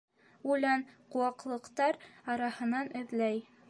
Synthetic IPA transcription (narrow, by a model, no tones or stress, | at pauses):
ulɑnquwɑqlˠɤ̆qt̪ɑɾɑɾɑhɤ̆nɑnɘ̆ðlæj